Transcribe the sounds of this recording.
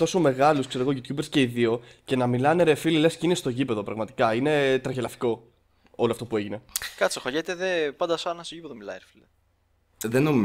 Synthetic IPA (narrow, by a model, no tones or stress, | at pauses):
t̪o̞so̞me̞ɣɐluskse̞ɾo̞ɣoʝut̪çubeɾsce̞iðio̞ce̞nɐmilɐne̞ɾefilelescinest̪o̞ʝipe̞ðo̞pɾɐɣmɐt̪i̥kɐine̞t̪ɾɐʝelɐfi̥ko̞ | o̞loɐft̪o̞pue̞ʝine̞kɐt̪soxɐʝet̪eðepɐnd̪ɐsɐnɐst̪oʝipeðomilɐiɾefile | ðenom